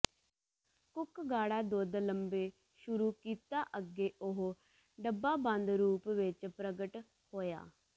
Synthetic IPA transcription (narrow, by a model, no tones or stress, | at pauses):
kʊkɡaːɽaːd̪oːd̪ləmbeː | ʃʊɾuːkiːt̪aːʔəɡeːʔʊɦ | ɖəbaːbə̃nd̪ɾuːpʋɪt͡ʃpɾəɡəʈ | hoːja̰ː